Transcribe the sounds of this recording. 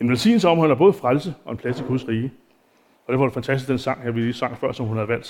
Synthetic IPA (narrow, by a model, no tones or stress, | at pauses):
e̝nʋe̝lsḭːn̩l̩səɒ̽mɒ̽læɐb̥ɔ̽ːð̩ˠfʁalsəɒ̽e̝npʰlæsiɡ̥uðˠsʁiːə | ɒ̽d̥æɐʋɑd̥e̝fænt͡sʰæsd̥isɡd̥ensɑ̈ŋ̰hæɐʋilisɑ̈ŋ̰fɶɐ̰sɒ̽mhunhæð̞ˠʋæl̰d̥